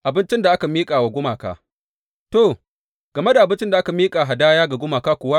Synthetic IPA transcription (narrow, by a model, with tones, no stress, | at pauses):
ʔa˨bɪ˦nt͡ʃɪ˦nda˨ʔa˦ka˨miː˦kʼaː˨wa˨ɡʷʊ˦maː˨ka̰ː˨ | to˨ | ɡ̥ɐ˨me˦da˨ʔa˨bɪ˦nt͡ʃɪ˦nda˨ʔa˦ka˨miː˦kʼaː˨ɦa˨daː˦jaː˦ɡa˨ɡʷʊ˦maː˨kaː˦kʷʊ˨wa˦